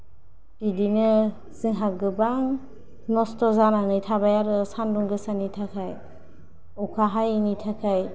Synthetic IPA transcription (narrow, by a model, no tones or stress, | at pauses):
pidinɯ | z̥ɯŋɦaɡɯbaŋ | nɔstɔzananɯjtʰabajaɾɯsanduŋɡɯsanitʰakʰaj | ɔkʰaɦajnitʰakʰaj